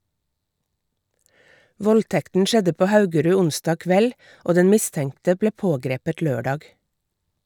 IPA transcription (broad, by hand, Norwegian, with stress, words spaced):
ˈʋɔlˌtɛktn̩ ˈʃɛdə ˈpoː ˈhɑʉɡəɾʉː ˈʊnsdɑːɡ ˈkʋɛl ˈoː ˈdɛn ˈmɪˌstɛŋtə ˈbleː ˈpoːˌɡɾeːpət ˈløːˌɖɑːɡ